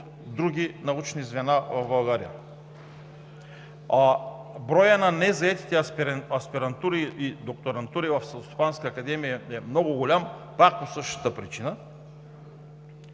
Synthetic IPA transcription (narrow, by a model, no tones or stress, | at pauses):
d̪ɾuɡʲinɐut͡ʃnizvɛnavɐvbɐlˠɡaɾija̰ | bɾɔjənanɛzaɛt̪i̥t̪ɛpɾɐspiɾɐnt̪uɾiid̪ok̚t̪oɾɐnt̪uɾivɐfsɐost̪o̥panskaːkad̪ɛmijaɛmnɔɡʊɡolʲampak̚posɤʃt̪ə̥t̪əpɾit͡ʃinə